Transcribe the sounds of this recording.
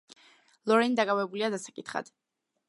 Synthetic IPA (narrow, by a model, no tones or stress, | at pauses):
lˠɔɾɛnid̪akʼavɛbuliad̪asḁkʼit̪χa̰d̪̥